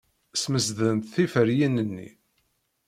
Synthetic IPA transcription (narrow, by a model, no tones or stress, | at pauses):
sməsðənt̪θifəɾjinənːḭ